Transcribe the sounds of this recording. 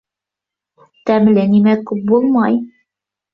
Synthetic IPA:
t̪æmlɘnimækʉp̚bulˠmɑj

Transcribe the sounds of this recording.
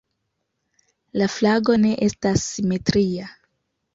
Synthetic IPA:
laflaɡo̞ne̞ʔe̞stasːime̞tɾia

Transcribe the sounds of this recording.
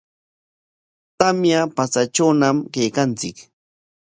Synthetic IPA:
t̪amjapat͡saʈ͡ʂawnamkejkant͡sɪk

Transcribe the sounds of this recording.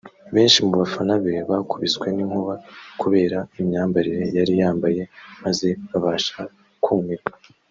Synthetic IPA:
βe̞ːnʃimuβafanaβeβakuβiskwe̞niŋhuβakuβe̞ːɾaimɲaːmbaɾiɾe̞jaɾijaːmbaje̞maze̞βaβaːʃa | kʰuːmiɾa

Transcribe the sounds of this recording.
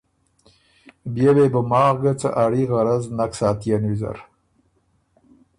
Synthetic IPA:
bjewebʊmɑːɣɡət͡sə̰ʔaɽiɣaɾaznaksɑːt̪janwiza̰ɾ

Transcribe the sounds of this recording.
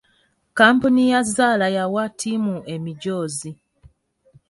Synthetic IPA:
kaːmpunijazaːlajawatʰimue̞miɟoːzi

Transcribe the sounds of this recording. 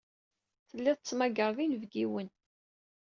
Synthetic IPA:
θəlːiðˤt͡sːmæɡəɾˤðinvɡiwən

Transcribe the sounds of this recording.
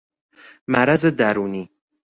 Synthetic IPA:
mæɾæzed̪æɾuːniː

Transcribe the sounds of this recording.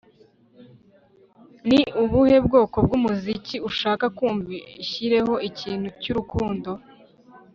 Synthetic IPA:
niuβuhe̞bɡo̞ːko̞b̚ɡumuziciuʃaːkakuːɱviçiɾe̞ɦo̞ʔiciːn̥hucuɾukuːndo̞

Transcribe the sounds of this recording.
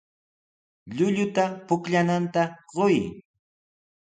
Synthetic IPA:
ʎʊʎʊt̪apʊkʎanant̪aɢoj

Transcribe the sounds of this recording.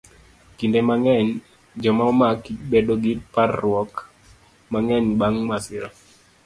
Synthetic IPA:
kindemaŋɛɲ | d͡ʒɔmaɔmakibedoɡiparːwɔk | maŋɛɲbaŋmasɪɾɔ

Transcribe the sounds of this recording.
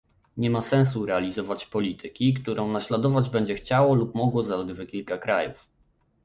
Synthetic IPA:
ɲɛmasɛ̃ñs̬uɾɛalʲizɔvat͡ɕpɔlʲit̪ʰɘkʲikt̪uɾʔɔ̃w̃naɕlad̪ɔvad͡ʑbɛɲd͡ʑɛxt͡ɕawɔlupmɔɡwɔzalɛɡ̪vɘkʲilkakɾajṵf

